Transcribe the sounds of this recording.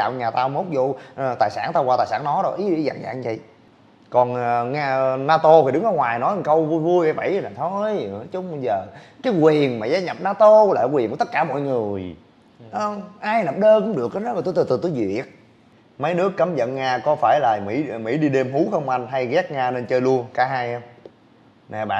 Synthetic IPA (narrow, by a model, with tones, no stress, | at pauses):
a̰ː˧˨wɲaː˨˩t̪aː˧wmo˦˥wk͡p̚zo˧ʔt̪aː˨˩jsaː˧˩nt̪aː˧waː˧t̪aː˨˩jsaː˧˩nnɔ˨˦ɗɔ˧˦ʔi˨˦ɗḭ˧˩za̰˧˨ŋza̰ː˧˨˩ŋzə̰˧˨j | kɔ˨˩n˩ŋaː˧naː˧t̪o˧t̪ʰi˨˩ɗɨ˨˦ŋnɔ˨˦ŋwaː˨˩jnɔ˨˦jkə˧wvu˧jvu˧əjʔə˧˩jvə̰˧˨jna˨˩t̪ʰo˧jt͡ɕʊ˨˦ŋ͡mzəː˨˩ | kaː˨˦jkwi˨˩ənmaː˨˩zaː˧ɲə˨˩p̚naː˧t̪o˧la̰ː˧˨kwnkːt̪ə˦˥t̚kaː˧˩mɔ̰˧˨jŋɨ˨˩əj | ŋ͡mʔaː˧jnə˨˩p̚ɗəː˧kʊ̰˧˥ŋ͡mɗɨ˨˩ək̚ːa˨˦nɔ˨˦aː˨˩t̪ːt̪ɨ˨˩t̪ɨ˨˩t̪u˧˦jzḭ˩˨i˨˩ət̚ | mə˨˦jnɨ˦˥əkːə˨˦mzə̰˧˨nŋaː˧kɔ˨˦faː˧˩jlaː˨˩mḭ˧˥mḭ˧˥ɗi˧ɗe˧mɦu˨˦xə˧wŋ͡mʔa˧jŋɦa˧jɣɛ˦˥k̚ŋaː˧ne˧nt͡ɕəː˧jlu˧ənkaː˨˦ɦaː˧jhə˧ | na˨˩ɓa̰ː˧˨